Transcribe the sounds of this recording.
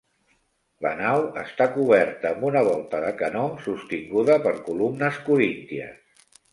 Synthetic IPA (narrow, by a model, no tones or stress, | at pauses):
lə̰nawəst̪akuβ̞ɛɾt̪əːmbunəβ̞ɔlˠt̪əðəkənɔmsust̪iŋɡuðəpəɾkulumnəskuɾint̪iə̰s